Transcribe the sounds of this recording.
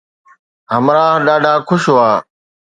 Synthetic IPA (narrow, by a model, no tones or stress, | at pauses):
ɦəmɾaːɦɗaːɖʱaːkʰʊʃoaː